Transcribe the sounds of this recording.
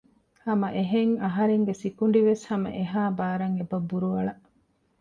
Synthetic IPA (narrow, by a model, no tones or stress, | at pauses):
hɐmɐʔeɦeŋɐɦɐɾeŋɡesikuɳ̆ɖiʋeshɐmɐ̰ʔeɦaːbaːɾɐŋebɐbːuɾuʋɐɭɐʔ